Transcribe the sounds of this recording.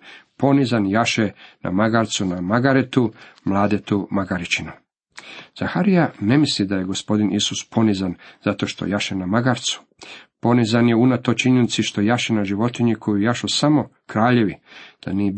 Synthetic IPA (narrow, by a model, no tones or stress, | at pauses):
po̞nizanjaʃena̰maɡaɾt̪sunamaɡaɾet̪umlˠaːd̪et̪umaɡaɾit͡ʃinu | z̥axaɾijane̞mislid̪ajeɡo̞spo̞d̪inʔisuspʰo̞nizanzat̪o̞ʃt̪o̰jaʃenamaɡaɾt̪su̥ | po̞nizanje̞unat̪o̞t͡ʃiɲenit̪siʃt̪o̞jaʃenaʒiʋo̞t̪iɲikʰo̞jujaʃosamo̞kɾaːʎe̞ʋid̪̥a̰nie